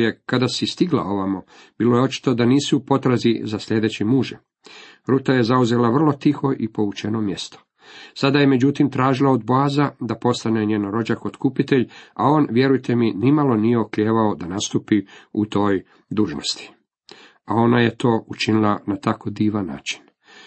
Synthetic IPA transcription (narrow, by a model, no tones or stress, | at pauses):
jekad̪asist̪iɡlˠa̰o̞ʋamo | b̥iːlojeo̞t͡ʃi̥t̪o̞d̪aniːsuupo̞t̪ɾazizasʎʲe̞ːd̪e̞t͡ɕimuːʒḛ | ɾuːt̪aje̞zauze̞laʋr̩lˠo̞t̪ixo̞ʔipo̞ut͡ʃe̞no̞mje̞st̪o̥ | sad̪ajeme̞d͡ʑut̪imt̪ɾaːʒilˠaod̪boazad̪apo̞st̪ane̞ɲenoɾo̞d͡ʒakot̪kupit̪e̞ʎao̞ːnʋje̞ɾujt̪e̞minimalˠo̞nije̞okʎʲeːʋaod̪anast̪upiut̪o̞ːj | d̪uːʒno̰st̪i̥ | ao̞naje̞t̪o̞ːut͡ʃinilˠanat̪ako̞d̪iːʋanːa̰ːt͡ʃi̥n